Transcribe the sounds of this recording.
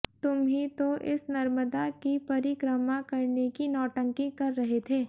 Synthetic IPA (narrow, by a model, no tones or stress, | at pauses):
t̪ʊmɦit̪oʔɪ̰snɐɾməd̪akipɐɾikɾəmakɐɾnekinɔːʈə̃ŋkikɐɾːɐɦet̪ʰeː